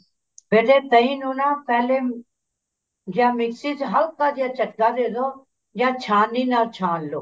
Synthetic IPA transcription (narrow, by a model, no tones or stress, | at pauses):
beːʈet̪əĩːnuːnapɛ̃ːle | d͡ʒamɪksizɦɐlkad͡ʒjãt͡ʃɐʈɡad̪eːd̪o | jãːt͡ʃʰaːninat͡ʃʰaːnloː